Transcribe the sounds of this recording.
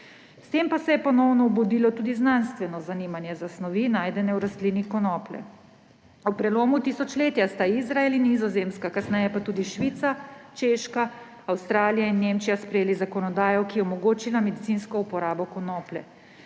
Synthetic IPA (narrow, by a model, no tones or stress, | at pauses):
st̪eːmpasɛjɛpɔnɔwnɔubud̪iːlɔt̪uːd̪iznanst̪ʋɛnɔzaniːmanjɛzasnɔʋinaːjd̪ɛnɛwɾast̪liːnikɔnɔːplɛ̰ | wpɾɛloːmut̪isɔt͡ʃleːt̪ijast̪aizɾaelinːizɔzeːmskakasnɛjɛpat̪uːd̪iʃʋiːt̪sat͡ʃeːʃka | awst̪ɾaːlijainːeːmt͡ʃijaspɾɛjeːlizakɔnɔd̪aːjɔkijɛɔmɔɡoːt͡ʃilamɛd̪it̪inskɔupɔɾaːbɔkɔnɔːplɛ